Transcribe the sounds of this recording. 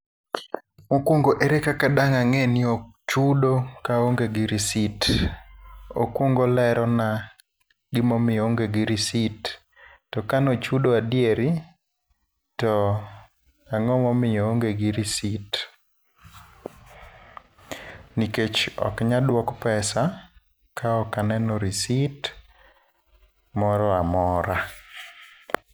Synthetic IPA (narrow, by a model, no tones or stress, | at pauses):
mokwoŋɡoʔeɾekakadaŋaŋenɪot͡ʃudokaoŋɡeɡɪɾisit | o̰kwoŋɡolɛɾɔna | ɡɪmɔmɪjɔoŋɡeɡɪɾisitː | ɔkanot͡ʃudoadjeɾi | tɔ | aŋɔmɔmɪjɔoŋɡeɡɪɾisit | niket͡ʃɔ̰kɲadwɔkpɛsa | kʰaɔkanɛnɔɾisit | mɔɾɔamɔɾa